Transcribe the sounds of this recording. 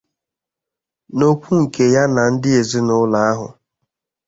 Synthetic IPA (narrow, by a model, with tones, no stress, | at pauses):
no˦kʷu˦ŋ̩˨ke˨ja˦na˨n̩˦dɪ˦e˨zi˦nʊ˦la˨a˦ɦʊ̰˨